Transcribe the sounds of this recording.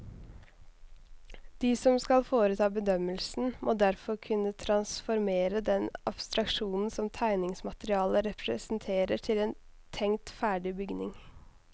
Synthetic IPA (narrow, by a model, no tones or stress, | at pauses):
d̪̥iːsɔmskɑlfoːɾət̪ʰɑːbəd̪œməlsn̩mʔoːd̪æɾfɔɾkʰʉnət̪ʰɾɑnsfɔɾmeːɾəd̪ɛnʔɑ̰b̥st̪ɾɑkʃuːnn̩sɔmt̪ʰæɪnɪŋsmɑt̪əɾɪɑːləɾɛpʰɾɛsn̩t̪ʰeːɾəʈʰɪleːn | t̪ʰɛŋt̪fæːɖɪbʏɡnɪ̰ŋ